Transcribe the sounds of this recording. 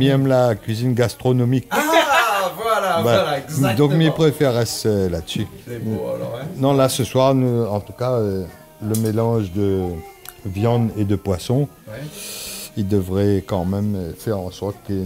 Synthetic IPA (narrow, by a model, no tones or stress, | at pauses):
miɛmlakɥizinɡast̪χɔnɔmik | bɛd̪ɔ̃kmipχefeʁɛsøladəsi | nɔ̃lasəswaʁnuɑ̃t̪ukaø | ləmelɑ̃ʒd̪ə | vjɑ̃d̪ed̪əpwasɔ̃ | ild̪əvʁɛkɑ̃mɛmøfɛʁɑ̃sɔʁt̪kə